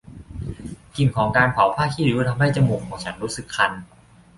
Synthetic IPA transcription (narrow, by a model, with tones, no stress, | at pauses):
ki˨˩nkʰɔː˩˦ŋkaː˧npʰa˩˦wpʰaː˥˩kʰiː˥˩ɾɯː˨˦˥t̪ʰa˧mha˥˩jt͡ɕa˧muː˨˩kʰːɔː˩˦ŋt͡ɕʰa˦˥nɾuː˦˥sɯ˨˩kʰːa˧n